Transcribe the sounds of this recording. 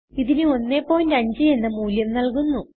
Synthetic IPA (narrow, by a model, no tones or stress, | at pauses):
iðinɨo̞nːepːo̞ːjndɐɲd͡ʑɨe̞nːɐmuːljɐmnɐɭkunːu